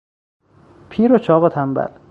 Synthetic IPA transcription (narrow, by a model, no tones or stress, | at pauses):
pʰiːɾot͡ʃʰɒːɣot̪ʰæmbæ̰l